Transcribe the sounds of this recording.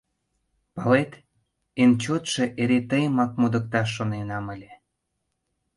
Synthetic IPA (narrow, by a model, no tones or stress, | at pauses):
pɑlet̪ | ent͡ɕot̪ʃĕʔeɾet̪əjəmɑk̚mud̪ə̆k̚t̪ɑʃ̬ːonenɑməlʲĕ